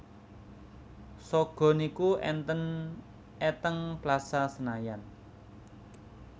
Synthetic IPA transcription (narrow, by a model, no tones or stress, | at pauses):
sɔɡ̥ɔ̤nikuʔɛ̰nt̪ən | ɛt̪əŋplasasənajan